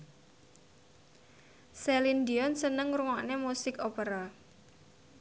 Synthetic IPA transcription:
sɛlind̪iɔnsənəŋɾuŋɔʔnemusɪkopeɾa

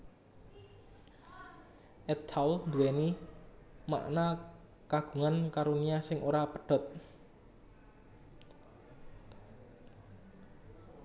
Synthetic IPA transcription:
ʔɛt̪ʰalnd̪uwɛni | ma̰ʔna | kaɡ̥ṳŋankaɾuniasɪŋʔoɾapəɖ̥ɔ̤t̪̚

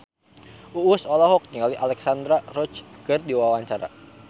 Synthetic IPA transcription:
ʔuːsɔlɔɦɔk̚ɲiŋaliʔalɛksand̪ɾarɔt͡ʃkɨrdiwawaɲt͡ʃaɾa̰

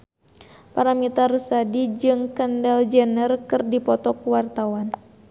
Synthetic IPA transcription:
paɾamit̪aɾusadid͡ʒɨŋkəndald͡ʒənərkɨrdipɔt̪ɔkuwart̪awan

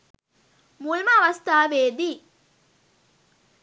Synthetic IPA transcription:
mulmaːʋɐst̪aːʋeːd̪iː

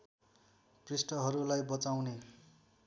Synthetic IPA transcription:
prisʈʌɦʌɾulajbʌt͡sawne

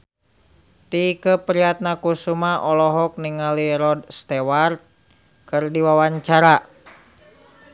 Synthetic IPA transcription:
t̪ikəpəɾiat̪̚nakusumaʔɔlɔɦɔk̚niŋaliɾɔdst̪ewart̪̚ | kɨrdiwawaɲt͡ʃaɾa

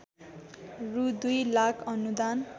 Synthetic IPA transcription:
rud̪ujlakʰʌnud̪an

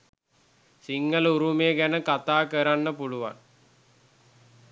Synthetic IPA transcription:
siŋɡəluɾumeːɡænəkat̪aːkəɾanːəpuɭuʋa̰n

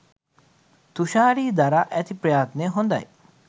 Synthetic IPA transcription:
t̪uʃaːɾiːd̪aɾaʔɛt̪ʰipɾjaːt̪neɦõnd̪a̰j

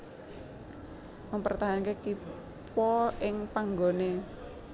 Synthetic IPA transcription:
məmpərt̪aɦankeki | pɔɪŋpaŋɡone

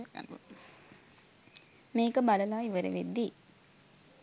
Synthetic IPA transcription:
meːkɐbɐlɐlaːiʋɐɾɐ̰ʋed̪i

